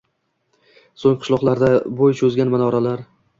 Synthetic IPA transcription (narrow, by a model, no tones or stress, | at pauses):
soŋqʰʊ̥ʃlˠɒqlˠaɾd̪abojt͡ʃʰɵzɡʲanmanɒɾalaɾ